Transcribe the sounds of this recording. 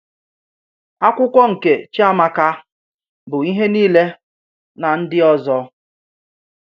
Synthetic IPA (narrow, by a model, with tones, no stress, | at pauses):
a˦kʷʊ˦kʷɔ˦ŋ̩˨ke˨t͡ʃi˦a˦ma˦ka˦ | bʊ˨i˦ɦe˦niː˦le˦ | na˨n̩˦dɪ˦ɔ˦zɔ˦